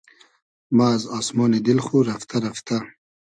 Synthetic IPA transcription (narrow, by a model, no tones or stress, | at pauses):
mazɑːsmɔːned̪ɪlχuɾaft̪ʰaɾaft̪a